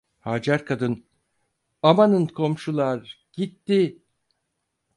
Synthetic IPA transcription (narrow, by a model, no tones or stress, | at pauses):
haːd͡ʒaɾkʰad̪ɯn | amanɯnkʰo̞mʃulˠaɾ | ɟ̥it̪ːi